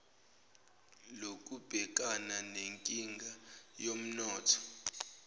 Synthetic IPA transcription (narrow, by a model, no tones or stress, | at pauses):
lok̬ʼub̥ʱɛk̬ʼananeŋkʼiŋɡʱajom̩nɔːtʰɔ̥